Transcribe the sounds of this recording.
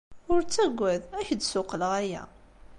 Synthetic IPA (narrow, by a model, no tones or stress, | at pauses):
ʊɾt͡sːæɡʷːæðæçd̪sʊqəlʁæjæ̰